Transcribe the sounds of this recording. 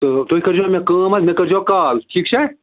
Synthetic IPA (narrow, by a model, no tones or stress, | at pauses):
t̪ot̪oikɐɾd͡ʒomẽkə̃ːmɐt̪mẽkɐɾd͡ʒoːkaːlʈʰiːk̚t͡ʃʰɛ